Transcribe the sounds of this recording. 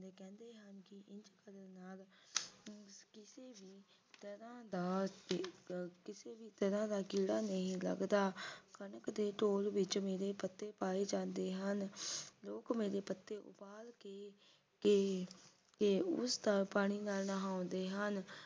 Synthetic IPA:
ekɛ̃ːnd̪eːɦənkɪʔɪɲd͡ʒkəɾənaːl | kɪseːbiː | t̪əɾãːd̪aː | kɪseːbiːt̪əɾãːd̪aːkiːɽaːnəĩːlə̰ɡd̪aːkənəkd̪eːʈoːlʋɪt͡ʃmeːɾeːpət̪ːeːpaːeːd͡ʒãːnd̪eːɦənloːkmeːɾeːpət̪ːeːʔʊ̰paːlkeː | ke | keʊ̰st̪apaːɽ̃iːnaːlnəɦaːʊ̃nd̪eːɦən

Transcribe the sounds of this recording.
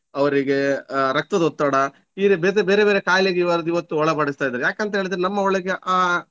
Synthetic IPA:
ɐʋɐɾiɡeɾɐk̚t̪ɐd̪ɔt̪ːɐɽɐ | iːɾebeɾebeːɾebeːɾekaːjleɡeiʋɐɾɐd̪uiʋɐt̪ːuɔɭɐpɐɽist̪aːjd̪ːɾjaːkeɐnt̪ɐɦeːɭid̪ɐɾeɛnɐmːɐɔɭɐɡeʔaː

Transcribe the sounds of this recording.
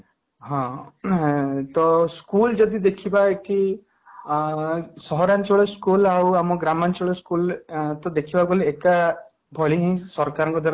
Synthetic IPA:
ɦɔ̃ | t̪ɔskuld͡ʒɔd̪id̪ekʰibaeki | sɔɦɔɾant͡ʃɔɭɔskulawamɔɡɾamant͡ʃɔɭɔskult̪ɔd̪ekʰibaɡoleːka | bʱɔɭiɦĩsɔɾkaɾɔ̃ŋkɔd̪ʱaɾ

